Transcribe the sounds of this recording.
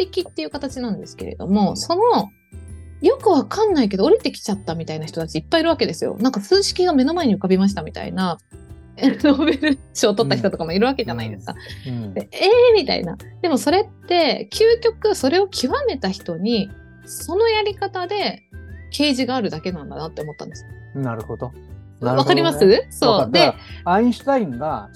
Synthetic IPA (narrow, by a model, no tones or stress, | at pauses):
t̪ekʲit̪ːe̞jɯ̟kat̪at͡ɕinãnd̪e̞sɨ̥ke̞ɾe̞̰d̪o̞̰mo̞so̞no̞ | jo̞kɯ̟β̞akãnːaik̬e̞d̪o̞ːɾʲit̪e̞kʲi̥t͡ɕat̪ːamʲit̪ainaçi̥t̪o̞t̪at͡ɕiːpːaiɾɯ̟βake̞d̪e̞sɨjo̞̰nãŋkasɨːɕi̥kʲiɡame̞no̞mae̞ɲ̟iɯ̟kabʲimaɕ̬i̥t̪amʲit̪a̰ḭna | nobeɾɯɕio̞ːt̪ot̪ːakçi̥t̪o̞t̪o̞kamoiɾɯ̟βake̞ʑanaid̪e̞sɨ̥ka̰ | emʲit̪a̰ḭna̰d̪̥e̞mo̞so̞ɾe̞t̪ːe̞kʲʰɨːkʲo̞kɯ̟so̞ɾe̞o̞kʲʰiβame̞t̪açi̥t̪o̞ɲ̟i | so̞no̞jaɾʲikat̪ad̪e̞kʰe̞ːʑiɡaːɾɯ̟d̪ake̞nãnd̪anat̪ːe̞omo̞t̪ːã̰nd̪esɨ̥ | naɾɯ̟hod̪o | βakaɾimasɨso̞ːd̪e̞aĩɕi̥t̪aĩŋɡa